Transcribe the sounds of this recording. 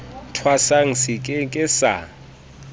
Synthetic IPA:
tʰwasaŋ̩sikʼɪkʼɪsa̰

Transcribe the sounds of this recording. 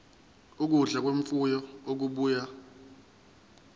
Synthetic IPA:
uk̬uɮak̬weɱfujɔok̬uɓuːja

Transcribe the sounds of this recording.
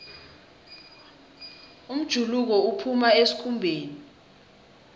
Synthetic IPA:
um̩d̥ʒ̥ʱuluk̬ɔupʰumaesi̥kʰumbʱeːni

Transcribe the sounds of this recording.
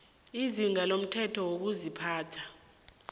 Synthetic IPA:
iziŋalom̩tʰɛtʰɔwok̬uzipʰaːtʰḁ

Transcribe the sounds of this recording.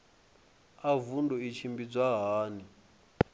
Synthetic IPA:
avundɔit͡ʃʰimbid͡zʷaɦaːni

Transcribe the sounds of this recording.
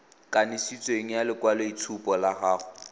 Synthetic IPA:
kʼanɪsit͡sʼɔeŋ̩jalɪkwaloitʰupʼɔlaχaːɣʊ

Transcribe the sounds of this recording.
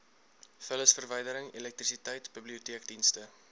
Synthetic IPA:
fələsfərvəjdəɾəŋilɛk̚t̪risitəjtbibliutiəkdinstə

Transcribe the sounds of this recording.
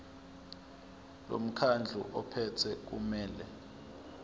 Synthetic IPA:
lo̰m̩kʰand͡ɮʱṵʔɔpʰɛtʰɛk̬umɛːlɛ

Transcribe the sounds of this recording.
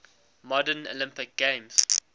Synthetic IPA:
mɔdəno̰lɪ̃mpɪk̚ɡ̥ẽmz̥

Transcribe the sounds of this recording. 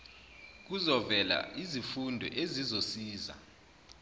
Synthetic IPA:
k̬uzɔvɛla̰ʔizifundʱɛ̰ʔezizosiːza̰

